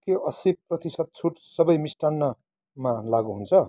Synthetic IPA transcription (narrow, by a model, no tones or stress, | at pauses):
keʔʌsib̚prʌt̪isʌd̪̚t͡sʰuʈsʌbʌjmisʈanːʌ | malaɡuɦunt͡sʰʌ